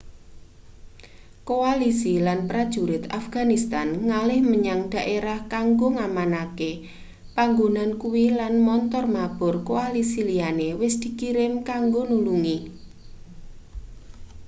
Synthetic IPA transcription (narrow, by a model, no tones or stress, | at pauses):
koalisilanpɾad̥ʒ̥uɾɪt̪afɡ̥a̤nist̪anŋalɪhməɲaŋd̪̥a̤ʔeɾahkaŋɡoŋamanake | paŋɡonankuwilanmɔnt̪ɔrmab̥ɔrkoalisilianewɪsd̪̥i̤kiɾɪmkaŋɡonuluŋi